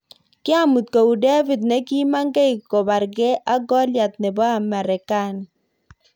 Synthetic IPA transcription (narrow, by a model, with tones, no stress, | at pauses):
kɪ˦a˨mu˨t̪̚ko˨u˨dɛ˦vi˨d̪nɛ˦ki˦ma˦ŋɡe˦i˨kɔ˨ba˨ɾɡɛ˦ʔa˦ɡɔ˦lja˨t̪̚nɛ˨bɔ˦a˨ma˨ɾɛ˨ka˦˨n˨